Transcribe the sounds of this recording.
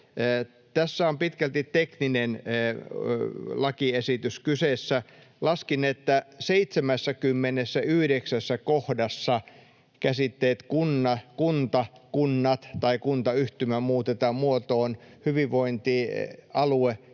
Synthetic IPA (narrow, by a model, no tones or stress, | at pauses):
t̪æsːæompit̪kælt̪itt̪ekninenː | lɑkiesit̪yskyseːˑsːæ | lɑskinet̪ːæseit̪semæsːækymːenesːæyhɾeksæsːækohdɑsːɑ | kæsit̪ːeːt̪kunːɑkunt̪ɑkunːɑt̪t̪ɑikunt̪ɑyht̪ymæmuːt̪et̪ɑmmuot̪oːnhyʋiʋʋoint̪iɑlue